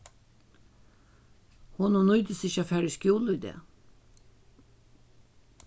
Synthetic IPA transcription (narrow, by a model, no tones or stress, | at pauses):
hʊnuːnœʏd̪əsɪçəɑfæːɹəskjuːləid̪ḛː